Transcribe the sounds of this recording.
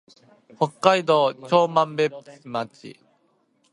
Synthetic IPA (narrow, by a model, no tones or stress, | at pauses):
hokːaid̪ot͡ɕoːmambept͡sɨmat͡ɕḭ